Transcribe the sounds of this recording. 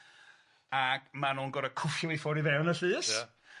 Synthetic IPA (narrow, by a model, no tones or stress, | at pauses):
aɡmanuːnɡɔɾakʰʊfjʊifɔɾivɛwnəɬɨːs